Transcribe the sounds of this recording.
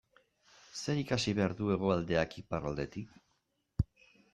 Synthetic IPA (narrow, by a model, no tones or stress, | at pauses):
se̞ɾikasiβe̞aɾðue̞ɣ̞o̞ald̪e̞akiparald̪e̞t̪ik